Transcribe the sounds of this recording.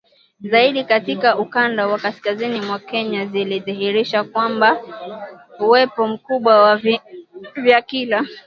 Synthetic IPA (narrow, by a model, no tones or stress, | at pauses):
zaiɗikatikaukandawakaskazinimwakɛɲaziliðiɦiɾiʃakwamba | uwɛpɔm̩kuɓwa | vjakila